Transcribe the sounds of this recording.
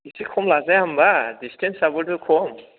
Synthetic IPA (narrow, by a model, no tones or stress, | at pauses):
isikʰɔmlazajambadistʰɛnsabɔtukʰɔm